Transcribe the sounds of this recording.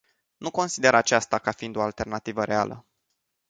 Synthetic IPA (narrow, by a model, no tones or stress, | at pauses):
nuko̞nsid̪e̞ɾat͡ʃast̪akafiind̪o̞alt̪e̞rnat̪ivəɾe̞a̰lə̰